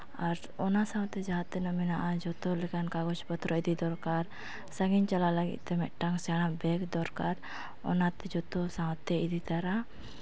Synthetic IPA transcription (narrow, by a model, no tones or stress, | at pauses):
aɾ | ɔnasaŋat̪ːɛd͡ʒaɦat̪ːɛnɔminaʔad͡ʒɔt̪ɔlɛkankaɡɔsbɔt̪ɾɔid̪id̪ɔrkar | saŋiɲt͡ʃalalaɡḭt̪ɛmɛ̰ʔʈaŋsanabɛkd̪ɔɾkar | ɔ̰nat̪ːɛd͡ʒɔt̪ɔsaŋat̪ːɛid̪it̪aɾa